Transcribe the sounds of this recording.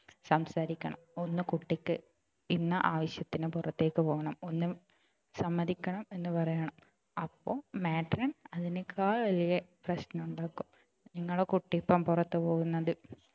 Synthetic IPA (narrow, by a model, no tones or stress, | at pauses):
sɐmsaːɾikʲːɐɳɐ̰mo̞nːɨkuʈːikʲːɨ | inːɐʔaːʋɐɕjɐt̪ːinɨpurɐt̪ːe̞ːkːɨpo̞ːɣɐɳɐmo̞nːɨ | sɐmːɐðikʲːɐɳɐme̞nːɨpɐrɐjɐɳɐm | ɐpːoːmeːʈrɐnɐðinekʰːaːɭʋɐlijɐprɐɕnɐuɳɖaːkːum | niŋːɐɭekuʈːipːɐmpurɐt̪ːɨpo̞ːɣunːɐðɨ